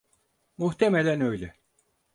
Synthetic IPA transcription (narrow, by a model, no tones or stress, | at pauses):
muht̪ʰemelʲænø̞jlʲɛ